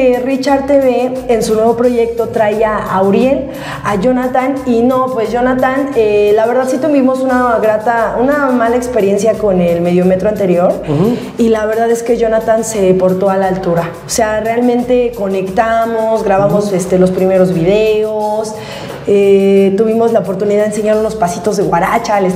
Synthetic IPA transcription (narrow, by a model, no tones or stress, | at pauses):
erit͡ʃaɾt̪eβeːnsunwe̞βo̞pɾo̞ʝe̞k̚t̪o̞t̪ɾajaawɾje̞l | aʝo̞nat̪anino̞pwe̞zʝo̞nat̪anelaβeɾðaðsit̪uβimosunaɣɾat̪aunamalaekspe̞ɾje̞nsjako̞nelme̞ðjomet̪ɾoant̪e̞ɾjo̞ɾ | ilaβe̞ɾðaðe̞ske̞ʝo̞nat̪anse̞po̞ɾt̪o̞alaːlt̪uɾa | ose̞arealmẽnt̪e̞ko̞ne̞kt̪amozɣɾaβamo̞se̞st̪e̞lo̞spɾime̞ɾo̞zβiðeos | et̪uβ̞imo̞zlaopo̞ɾt̪uniðaðens̬eɲaɾuno̞spasit̪o̞zðe̞ɣwaɾat͡ʃales